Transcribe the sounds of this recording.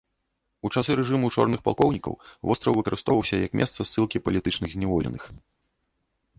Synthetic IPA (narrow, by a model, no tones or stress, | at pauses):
ut͡ʂasɨɾɛʐɨmut͡ʂɔ̰rnɨxpa̰lˠkɔwnʲikɐ̰wvɔst̪ɾɐwvɨkɐɾɨst̪ɔvɐwsʲɐjɐkmʲʔɛ̰st̪sɐsːɨlˠkʲipɐlʲit̪ɨt͡ʂnɨɣzʲnʲɛvɔlʲɛ̰nɨx